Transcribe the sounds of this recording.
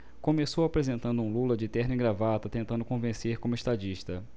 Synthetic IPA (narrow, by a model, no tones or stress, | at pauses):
kõmesowapɾezẽnt̪ɐ̃nd̪ʊũlulɐd͡ʒɪt̪ɛhnɪ̃ɡɾavat̪ɐt̪ẽnt̪ɐ̃nd̪ʊkõvẽseɾkõmʊeʃt̪ad͡ʒiʃt̪ɐ